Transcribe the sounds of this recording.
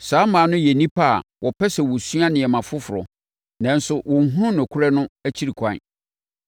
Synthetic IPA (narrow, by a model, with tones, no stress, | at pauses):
saː˨˦mãː˨˦nʊ̃˦je˨nĩ˦pʰa̰˦˨wʔɔ˨pɛ˦sɛ˨wɔ˨su˦a˦nɪ̃˨ɛ˨mã˨fʊ˦fʊ˨ɾɔ̰˨ | nã˨n˦sʊ˦wɔ̃˨ŋ˦ɦũ˦nʊ̃˨kʰʊ˦ɾɛ˦nʊ̃˦æ˦t͡ɕʰi˦ɾi˨kʷʰã̰˦˨n˨